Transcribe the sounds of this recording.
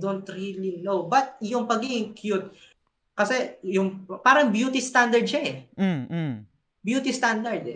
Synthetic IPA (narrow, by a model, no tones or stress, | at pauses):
d̪ont̪ɹilinowbɐt̪̚jʊŋpɐɡiːɡɪŋkʰjut̪̚ | kɐsɛjʊŋpaːɾɐŋbjuːt̪ɪst̪and̪ɐɹd̪̚ʃaɛ | bjuːt̪ist̪and̪ɐɹd̪ɛ